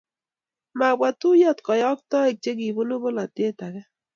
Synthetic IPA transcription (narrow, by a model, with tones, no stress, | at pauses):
ma˨bwa˨tu˦jɔ˦t̪kɔ˨jɔ˦k̚tɔ˦e˨k̚t͡ʃe˦k̬i˨bo˦no˦bo˦la˨te˦ta˨kɛ˦